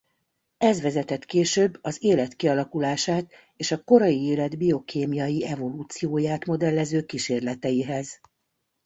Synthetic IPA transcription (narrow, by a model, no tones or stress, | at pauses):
ɛzʋɛzɛt̪ɛt̪keːʃøːbːɒzeːlɛt̪kiɒlɒkulaːʃaːt̪ | eːʃɒko̞ɾɒjieːlɛd̪bio̞kʰeːmijɒjiɛvo̞luːt̪sijoːjaːt̪mo̞d̪ɛlːɛzøːkiʃeːrlɛt̪ɛjiɦɛz